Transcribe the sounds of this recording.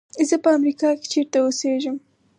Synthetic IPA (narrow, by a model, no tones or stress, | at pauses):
zəpəamɾikɑke̥t͡ʃeɾt̪aoseʒəm